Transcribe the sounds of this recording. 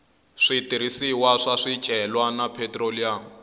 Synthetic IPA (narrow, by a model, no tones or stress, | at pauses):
ʂitʼiɾisiwaʂaʂid̥ʒ̥ʱɛlwanapʰetʼroliaŋ